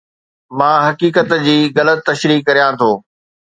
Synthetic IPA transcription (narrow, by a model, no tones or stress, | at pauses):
mãːɦɐkiːkət̪d͡ʑiːɣɐlət̪ːɐʃɾiːkːɐɾijãt̪ʰoː